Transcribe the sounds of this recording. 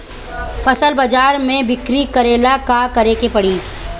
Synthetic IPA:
fʰɐsəlbɐd͡ʒaːɾmẽbɪkɾikɐɾeːlakakɐɾeːkepɐɽiː

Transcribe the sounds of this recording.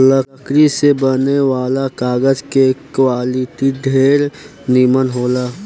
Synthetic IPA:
ləəkɾisebəneʋaːlakaːɡəd͡ʒkekwaːliʈiɖʱeːɾ | niːmənɦoːlaː

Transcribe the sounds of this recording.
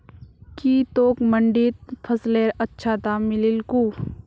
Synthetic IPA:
kiːt̪oːkməɳɖit̪̚pʰəsleːɾətːʃʰaːt̪amɪlɪlkuː

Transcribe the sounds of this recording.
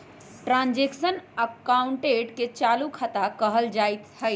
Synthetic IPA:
ʈɾãnd͡ʒeksənəkaʊɳʈeʈket͡ʃaːlukʰət̪akəɦəld͡ʒait̪həj

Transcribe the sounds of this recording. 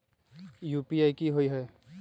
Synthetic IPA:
juːpiaːikiɦoiɦɛː

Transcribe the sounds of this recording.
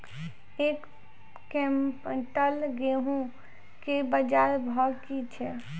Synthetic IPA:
ekː | ẽmpʈəlɡeɦũ | kebəd͡ʒaɾbʱɔkit͡ʃʰɛ

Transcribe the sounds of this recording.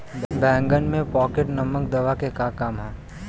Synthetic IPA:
bɛ̃ːŋɡənmẽpɔːkeʈnɐməkd̪ɐʋakekakaːmɦɛː

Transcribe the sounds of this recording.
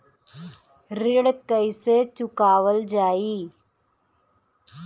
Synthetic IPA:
ɾɪɽkəiset͡ʃʊkaːʋəld͡ʒaːiː

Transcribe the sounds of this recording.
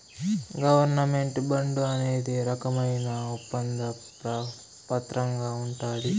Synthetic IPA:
ɡɐʋɐɾnɐme̞ɳʈbɐɳɖuɐne̞ːd̪iɾɐkɐmɐjnɐupːɐnd̪ɐ | ɾɐ | pɐt̪ɾɐŋɡaːuɳʈaːd̪i

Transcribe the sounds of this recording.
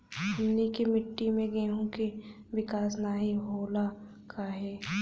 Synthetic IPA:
ɐmnikimɪʈːimẽɡeːɦõke | ʋɪkaːsnaɦiɦoːla | kʰaɦɛː

